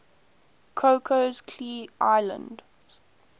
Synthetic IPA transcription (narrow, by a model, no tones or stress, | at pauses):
kʰokʰozkʰliːʔa̰ɪlə̰̃nd